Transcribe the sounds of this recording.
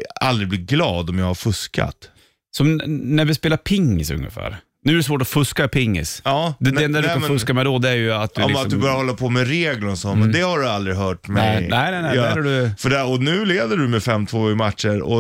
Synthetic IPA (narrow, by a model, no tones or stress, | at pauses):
a̰ld̪ɾɪɡblɪɡlɑːd̪ɔmjɑːɡhaɾfɵska̰t̪ | sɔmnæɾvɪspeːlapʰɪŋːɪ̰sɵ̰ŋːə̰fæ̰ːɾ | nʉ̟ːæɾɛs̬voːʈɔfɵskapʰɪŋːɪ̰sɑːd̪ɛd̪ɛnd̪ædɵk̪nfɵskamɛd̪ɔd̪ɛæɾjɵat̪̚d̪lɪasɔd̪ɵbœːɾjahɔlːapʰɔmɛɾeːɡlənsɔmɛnd̪ɛhaɖɵald̪ɾɪɦœːʈmɛnɛɪnɛnɛd̪ɾhaɖɵfœɖɛɔnʉ̟ːleːd̪əɖʉmɛfɛmːt̪ʰvoːɪmat̪ʂəɾɔ̰